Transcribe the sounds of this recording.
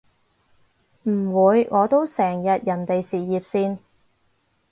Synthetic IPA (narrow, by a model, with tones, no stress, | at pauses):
m̩˨˩wuː˨˧jŋʔɔː˨˧t̪o˥wsɛː˨˩ŋjɐ˨t̚jɐ˨˩nt̪e˨jsiː˨˩jiː˨p̚siː˧n